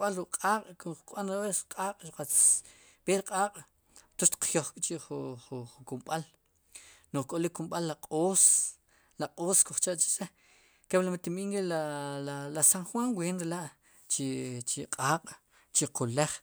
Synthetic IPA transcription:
ɓalɾuʔqʼaːqʼkukʼɓanɾaweqʼaːqʼʃuqat͡s | peɾqʼaːqʼ | t̪uʃt̪i̥q͡χjoχkʼt͡ʃiʔχuχuχukumɓal | noχkʼolikːumɓalːaqʼoːs | laqʼoːskuχt͡ʃaʔt͡ʃi̥se | keɓlamat̪imiːŋkilalalasaŋχwaŋweːnɾelaʔ | t͡ʃit͡ʃiqʼaːqʼ | t͡ʃiqʰuleχ

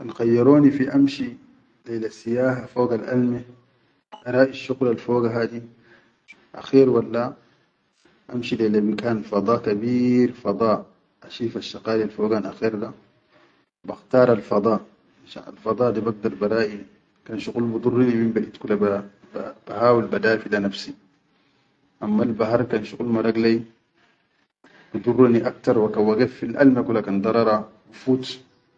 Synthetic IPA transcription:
ʔanxajːɑɾoːnifiʔamʃi | lelasijaːɦafoːɡalʔa̰lmi | ʔaɾˤɑːʔiʃuɣlalfoːɡaɦaːd̪i | ʔa̰xiːɾwalːa | ʔamʃilelabikaːnfɑd̪ˤɑːkabiːɾfɑd̪ˤɑː | ʔaʃiːfaʃːɑqaːlialfoːɡanʔa̰xiːɾd̪a | baxt̪ɑːɾˤalfɑd̪ˤɑːʔ | aʃa̰na̰lfɑd̪ˤɑːʔd̪ibaɡ̚d̪ɑɾˤbɑɾˤɑːʔi | kanʃuɣulmud̪ˤurˤːinibimbaʔit̪kulaba | b̥ahaːwilbad̪aːfilanafsi | ʔamːalbaɦɑɾˤkanʃuɣulmaɾˤɑɡlai | b̥id̪ˤurˤːniʔakt̪ɑɾˤwakawaɡafːilʔa̰lmakulhakand̪ˤɑɾˤɑɾˤɑwifuːt̪

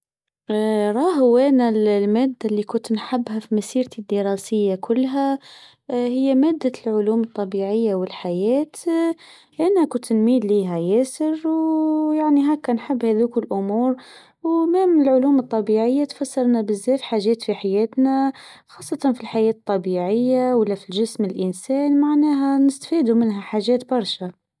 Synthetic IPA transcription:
ɾˤɑːɦʊwænallmæːd̪ːalːikʊnt̪nħabːɦafimasiːɾt̪id̪ːiɾˤɑsɪjːakʊlːɦa | hɪjːamæːd̪ːalʕʊluːmɨt̪ˤːɑbiːʕɪjːawɪlħajæːt̪ | ʔɪnakʊnt̪nmiːd̪liːɦæjæːsɪɾwjaʕniɦaːkːanħɪbːhæðuːkɪlʔʊmuːɾ | wmæmɪlʕʊluːmɨt̪ˤːɑbiʕɪjːat̪fasːɑɾˤnabɪzːæːfħaːʒɛːt̪fiħajɛːt̪naxɑːsˤːɑt̪ɑnfilħajɛːt̪t̪ˤːɑbiːʕɪjːawalːafilʒɪsmɪlʔɪnsɛːnmaʕnæːɦanɪst̪fiːd̪umɪnɦaħaːʒɛːt̪bɑɾˤʃa

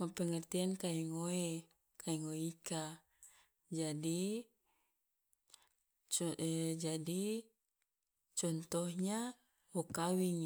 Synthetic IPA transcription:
mapɛŋɛrt̪iankaiŋoe | kaiŋoika | d͡ʒadi | t͡ʃd͡ʒadi | t͡ʃɔnt̪ɔhɲa | wokawiŋ

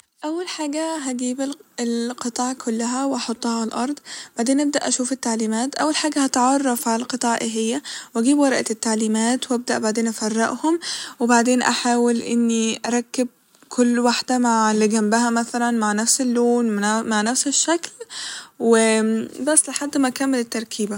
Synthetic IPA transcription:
ʔawːalħaːɡaɦaɡiːbɪlɪlqɨt̪ˤɑːʕkʰʊlːaɦawʔɑħot̪ˤːɑhɑlʔɑɾˤd̪ˤb̥aʕd̪eːnʔab̚d̪aʔaʃuːfɪt̪ːaʕliːmaːt̪ʔawːalħaːɡahat̪ʕɑrˤːɑfʕalalqɨt̪ˤɑːʕʔɪɦɪjːawʔaɡiːbwɑɾˤʔt̪ːaʕliːmaːt̪wʔab̚d̪aʔbaʕd̪eːnʔafɑrˤːɪ̰ʔhʊmwɪbaʕd̪eːnʔaħaːwɪlʔɪ̰nːiʔɑɾˤɑkːɪb̚ | kʰʊlːwaħd̪amaʕliɡambɪhamaθalanmaʕnafsɪlːoːnmaʕnafsɪʃːaklwɪbɑsˤːlɪħad̪ːmaʔkamːɪlɪt̪ːɑɾˤkʰiːba

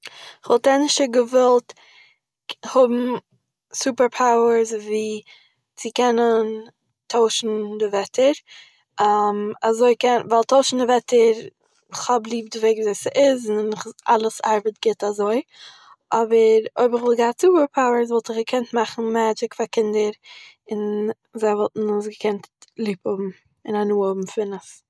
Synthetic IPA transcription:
ɪχvɔlˠtɛnɪʃtəɡəvɛlˠt | hʊbm̩ | suːpəɾpʰaʊəɾsviː | t͡sɪkɛnən | tʰoʊʃn̩dɪvɛtʰəɾ | ʔamazoɪkɛnvalˠtʰoʊʃn̩dɪvɛtʰəɾ | ɪχhɔblˠiːp̚dɪveɪɡzoɪsʔɪznnɪχalˠəsaɾbətɡ̥ɪtazoɪ | ʔɔbəɾoɪbɪχvɪlˠɡaːt͡subəpʰaʊəɾz̬vɔlˠtɪχɡəkʰɛntmaχn̩maːd͡ʒɪkfakɪndəɾ | ɪn | zaɪvɔlˠtn̩ʊs̬ɡəkʰɛntlˠiːpɔbm̩ | ɪnanuːɔbm̩fɪnəs

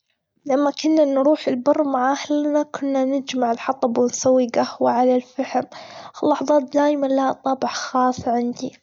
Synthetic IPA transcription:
lamːakʊnːanɾuːħɪlbɑrˤːmaʕahlnakʰʊnːanɪd͡ʒmaʕɪlħɑt̪ˤɑbwɪnsawːiɡahwaʕalalfaħmlːɑħðˤɑːt̪̚d̪aːjmanlat̪ˤɑːbɪħxɑːsˤʕɪnd̪i

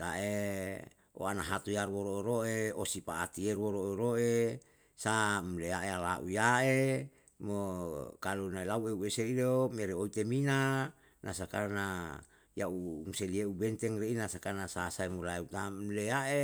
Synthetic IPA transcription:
t̪aʔe | o̰anaɦat̪ujaɾwoɾoeɾoeosipaːt̪ierwoɾoeɾoʔe | samleaʔealaʔṵjae | mokalonaelaueueseilomeɾeoit̪emina | nʔas̬akarna | jaumuselieubɛnt̪ɛŋreinasakanasasaemulaut̪amleaʔe

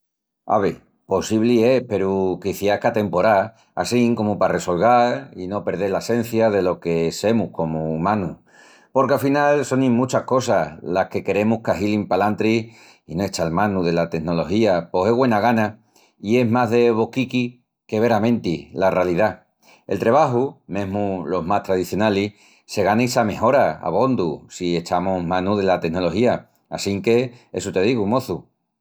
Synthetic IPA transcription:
a̰βe | po̞siβliepe̞ɾukiθjahkat̪e̞mpo̞ɾa | a̰siŋko̞mupare̞so̞lɣaɾino̞pe̞ɾð̞e̞ɾlase̞n̟θjaðe̞lo̞ke̞se̞muhko̞mumãnu | po̞ɾkeafinalso̞nĩmut͡ʃahko̞salahke̞ke̞ɾe̞muhkaɦilimpalant̪ɾi | inoet͡ʃalmãnuðe̞lat̪e̞ɡno̞lo̞xiapo̞se̞ɣwe̞naɣ̞ana | ie̞ɦmaɦðe̞βo̞kiki | ke̞βe̞ɾamẽ̞nt̪ilarealiða | elt̪ɾe̞β̞aɦumẽ̞ɦmulo̞ɦmaht̪ɾaðiθjo̞nali | se̞ɣanaisame̞ɦo̞ɾaa̰β̞o̞nd̪usie̞t͡ʃamoɦmãnuðe̞lat̪e̞no̞lo̞hia | asiŋke̞esut̪e̞ðiɣumo̞θu

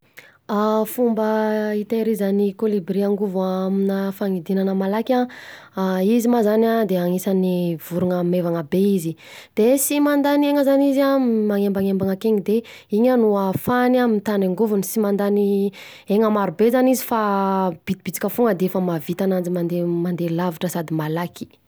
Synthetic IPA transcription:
afumbəit̪eɾizanikolibriaŋɡuvuaminəfaŋid̪inanəmalakʲa | izimazanad̪eaŋisanivuɾuŋəmevaŋəbeizid̪̥esimand̪anieŋəzanizamaŋembaŋembaŋakeŋid̪e | iɲənuafanamint̪anaŋɡuvunisimand̪ani | eŋəmaɾubezanizifab̥it̪ibit͡si̥kʲəfuŋɡəd̪eefəmavit̪anand͡zimand̪emand̪elaviʈ͡ʂəsad̪imalaki̥

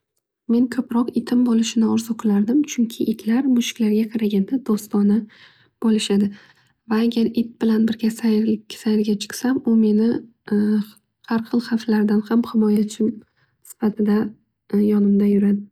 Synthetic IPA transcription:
me̞nkʰɵpɾɒqɪt̪ʰɪmbɒlˠɪʃɪnɪɒɾzoqʰɨlaɾd̪ɪmt͡ʃʰʊŋkʲʰɪʔɪt̪ʰlaɾmʊʃɪ̥kʲlaɾɡʲaqʰɑɾaɡʲand̪ad̪̥ost̪ɒnɪ | b̥ɒlˠɪʃad̪ɪ | vaːaɡʲaɾɪt̪̚bɪlanbɪɾɡʲasajʲsajɾɡʲat͡ʃʰɨ̥qsamʊme̞nɪ | haɾqʰɨlˠχaflaɾd̪anhamhɪmɒjat͡ʃʰɪm | sɪ̥fat̪ʰɪd̪a | jɒnɪmd̪ajʊɾad̪ɪ

